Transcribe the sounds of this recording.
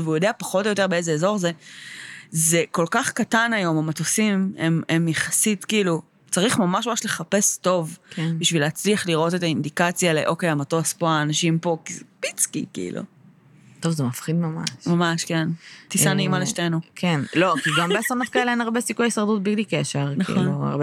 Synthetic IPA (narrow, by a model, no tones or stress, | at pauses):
veujo̞deapaχo̞tojo̞t̬e̞beezeezo̞ʁze̞ | ze̞ko̞lkaχkatanajo̞mamatosimememjeχasitkiilu | t͡saʁiχmamaʃmamaʃle̞χape̞sto̞vbiʃvileat͡sliaχliʁʔo̞te̞taindikat͡sjalḛʔo̞kejamatospoaːnaʃimpo̞kizepit͡skḭkḭḭlʔṵ | t̪o̞vzemafχid̪mama̰ʃmamaʃkent̪isaneimaleʃtenukʰenlo̞kiɡambeasonot̚kaeleenaʁbesikujajisaʁd̪ut̚biɡlikeʃeʁknaχḭona̰ʁb